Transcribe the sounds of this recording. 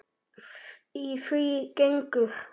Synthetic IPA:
ifikeŋ̩kə

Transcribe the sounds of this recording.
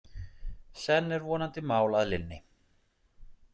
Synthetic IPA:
sɛnːɛɾvɔːnant̪ɪmaːwlaðlɪnːɪ

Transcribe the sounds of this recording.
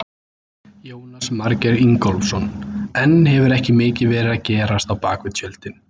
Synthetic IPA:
joːwnasmaɾcɛɾiŋkɔlfsɔnɛnːɦɛvʏɾɛhcɪmɪːcɪvɛːɾɪðacɛːɾast̪awpaːkvɪðsjœlt̪ɪn

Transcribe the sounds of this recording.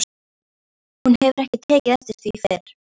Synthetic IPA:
hunhɛvʏɾɛhcɪt̪ʰɛːcɪðɛst̪ɪ̥st̪vifeɾ̥

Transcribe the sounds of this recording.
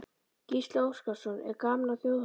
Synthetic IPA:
cist̪lowskasɔnɛ̰ɾkaːmnaθjoh

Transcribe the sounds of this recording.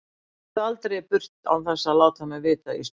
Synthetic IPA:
alt̪ɾepʏr̥t̪a̰wθɛsːaðlaːwt̪ʰamɛvɪːt̪ais

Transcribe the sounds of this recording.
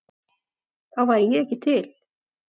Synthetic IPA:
θawvajɾɪjɛɛhcːɪt̪ʰɪl

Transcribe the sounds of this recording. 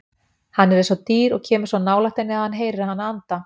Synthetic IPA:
hanːɛɾɛnsɔt̪iːɾɔɣcʰɛːmʏɾ̥sanaːwlaht̪ejnɪaðhanɦeːjɾɪɾahanːaant̪a

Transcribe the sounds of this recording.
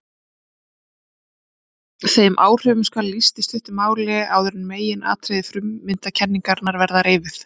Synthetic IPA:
θeːjmʔaːwr̥ʏːvʏskalːist̪ɪst̪ʏht̪ʏmaːwlɛa̰wðœɾʏnmeːjɪna̰ːt̪ʰɾejðɪfɾʏmːɪnt̪acʰɛnːiŋkaɾnaɾvɛɾðaɾeːvɪθ

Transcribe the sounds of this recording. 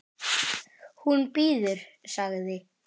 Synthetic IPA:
hunpiːðʏɾ̥saɣðɪ

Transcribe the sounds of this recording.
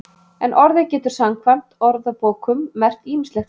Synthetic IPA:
ɛnʔɔɾðɪcɛːt̪ʏɾ̥samkʰvan̥t̪ɔɾðapoːwkʏmːɛr̥t̪iːmɪnslɛx

